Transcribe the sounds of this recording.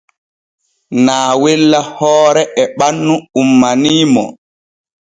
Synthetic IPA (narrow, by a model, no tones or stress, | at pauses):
naːwɛlːahɔːɾɛʔɛɓanːuumːaniːmɔ̰